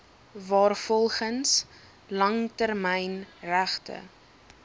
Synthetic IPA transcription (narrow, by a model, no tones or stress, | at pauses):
vɑːrfɔlˠχəns | lɐŋtərmɛjnræχtə̰